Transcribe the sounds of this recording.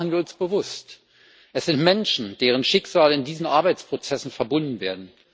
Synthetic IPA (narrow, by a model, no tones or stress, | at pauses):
n̩viːɐʊnsb̥əvʊst | ʔɛsz̥ɪntmɛnʃn̩d̥eːʁ̞ənʃɪkz̥aːləɪndiːzn̩ʔaɐbaɪt͡spʁ̥ot͡sɛsn̩fɛɐbʊndn̩veːɐdn̩